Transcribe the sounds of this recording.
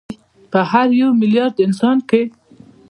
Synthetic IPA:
pəhaɾjawmɪljɑɾd̪ɪnsɑnke

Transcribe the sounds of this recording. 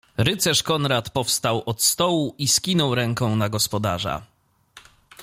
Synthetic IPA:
ɾɘt̪sɛʂkɔnɾat̪pɔfst̪awʔɔt̪st̪ɔwuʔiskʲinɔwɾɛŋkɔ̃w̃naɡɔspɔd̪a̰ʐa̰

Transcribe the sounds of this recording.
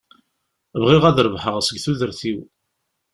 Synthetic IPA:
vʁiʁæðɾəvħəʁsəɡθuðəɾθiw

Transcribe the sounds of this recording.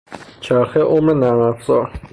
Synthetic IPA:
t͡ʃʰæɾxeʔomɾenæmæfzɒɾ

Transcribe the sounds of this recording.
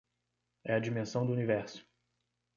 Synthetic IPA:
ɛɐd͡ʒimẽsɐ̃w̃d̪ʊunivɛɾsʊ̥

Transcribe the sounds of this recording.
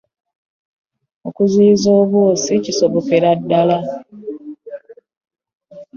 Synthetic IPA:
okuziːzoːβwoːsiciso̞βo̞ke̞ɾadːala

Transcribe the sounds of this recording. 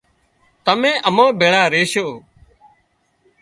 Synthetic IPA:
t̪əmẽːʔəmõːbʱeːɽaːɾeːʃoː

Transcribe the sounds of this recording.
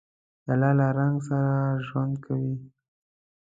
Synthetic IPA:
d̪əalɑlaɾaŋɡs̬aɾaʒwand̪kʰawi

